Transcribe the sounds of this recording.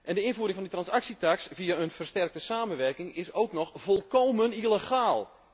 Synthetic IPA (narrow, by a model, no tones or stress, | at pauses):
ʔɛndəɪnvuːəɾɪŋfɔnditrɑnsaksitaksviaənvərstɛrk̚təsaːmənʋɛrkɪŋɪsowknɔxvɔlˠkoːmənilexaːlˠ